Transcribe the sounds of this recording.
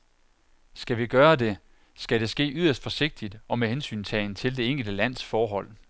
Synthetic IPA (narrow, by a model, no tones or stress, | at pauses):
sɡ̥æʋiɡ̥ɶːɐd̥e̝ | sɡ̥æɾe̝sɡ̥e̝̰ːʔyð̰ˠɐsd̥fɒ̽se̝ɡ̥̚d̥id̥ɒ̽mehensy̰ːnt͡sʰɛ̰ɪnt͡sʰe̝ld̥e̝e̝ŋ̰ɡ̥əl̩d̥əlæn̰sfɒːɦɒ̽l̰